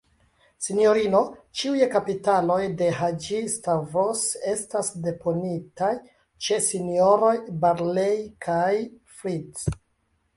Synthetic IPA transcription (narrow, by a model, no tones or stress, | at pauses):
sinijo̞ɾino̞t͡ʃiujekapitalo̞jde̞ɦad͡ʒistavose̞stasde̞po̞nitaj | t͡ʃe̞sinioɾo̞jbaɾlejkʰaj | fɾits